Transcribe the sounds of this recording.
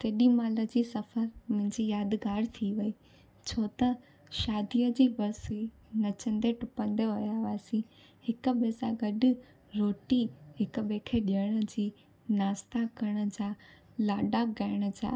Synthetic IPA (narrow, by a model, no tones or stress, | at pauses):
t̪eːɗimaːləd͡ʑiːsɐfəɾmʊ̃ɦɪ̃ɲd͡ʑiːjaːd̪ɡaːɽt̪ʰiʋɐiː | t͡ɕʰoːt̪ɐ | ʃaːd̪ijəd͡ʑiːbɐɾsi | nɐt͡ɕə̃nd̪eʈʊpə̃nd̪eɦɐjaʋaːsĩ | hɪkə̆ɓeːsaɡɐɗʊ̆ | ɾoːʈiɦɪk̆ɓeːkʰeɗiəɽ̃ə̆d͡ʑiː | naːst̪akɐɽ̃ə̆d͡ʑaː | laːɖaɡaːɪɽ̃ə̆d͡ʑa̰ː